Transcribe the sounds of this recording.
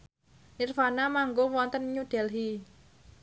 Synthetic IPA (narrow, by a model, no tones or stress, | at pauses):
nirfanamaŋɡowɔnt̪ənɲuɖ̥ɛ̤lɦi